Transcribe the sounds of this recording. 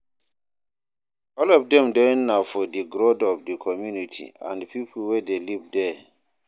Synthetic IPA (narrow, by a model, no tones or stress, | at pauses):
ɔlɔfdɛ̃mdɛnafɔdiɡɾodɔvdikʰɔmjunitʰḭã̰ndpipʰlwɛdelivdɛ